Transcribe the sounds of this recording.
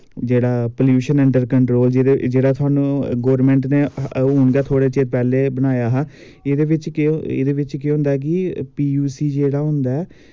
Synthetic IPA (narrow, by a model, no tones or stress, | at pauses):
d͡ʒeːɽaːpəljuːʃənɛːɳʈəɾkəɳʈɾoːld͡ʒed͡ʒeːɽaːt̪ʰʊaːnũːɡɔːɾmɛ̃ːɳʈneːɦuːɳɡɛːt̪ʰoːɽeːt͡ʃeːɾpɛːleːbəñaːjaːɦãː | ed̪eːʋɪt͡ʃḛd̪eːʋɪt͡ʃkeɦʊ̃nd̪aːɛk̬ɪpiːjuːsiːd͡ʒeːɽaːɦʊ̃nd̪aːɛː